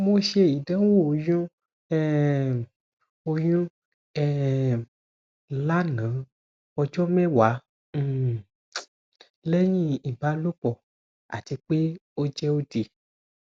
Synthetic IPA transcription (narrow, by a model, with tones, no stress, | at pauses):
mo˨ʃe˦˨ji˨də̃˦wu˦o˨jũ˦ | ɛ˦ | o˧jũ˦ | ɛ˨˦ | la˦nã˨˦ | ɔ˧d͡ʒɔ˦mɛ̃˦wã˨˦˨ | le˦ɲĩ˦i˨ba˨˦lo˦k͡pɔ˨ | a̰˨t̪i˨˧k͡pe˦o˦d͡ʒɛ˦o˦de˨